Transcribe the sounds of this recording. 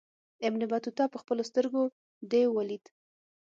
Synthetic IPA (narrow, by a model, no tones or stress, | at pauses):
ɪmnɪbɑt̪ut̪ɑpəxpəlost̪əɾɡo | d̪ewalid̪